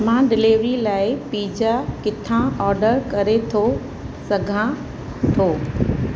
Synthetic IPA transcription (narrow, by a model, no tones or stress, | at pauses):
mãːɖɪleːʋɾilaːɪpiːd͡ʑakɪt̪ʰãɔːɾɖəɾkɐɾet̪ʰo | sɐɡʱã | t̪ʰoː